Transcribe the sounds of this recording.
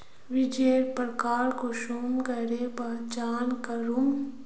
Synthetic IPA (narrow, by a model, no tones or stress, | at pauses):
ʋɪd͡ʒeːɾpɾkaːɾkoʃuːmkɐɾebad͡ʒaːnkəɾum